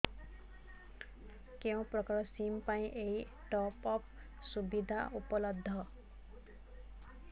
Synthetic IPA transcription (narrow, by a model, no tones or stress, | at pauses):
kew̃prɔkɾɔsimpaĩʔej | ʈɔpɔp | subid̪ʱa̰upɔlɔd̪ʱːʌ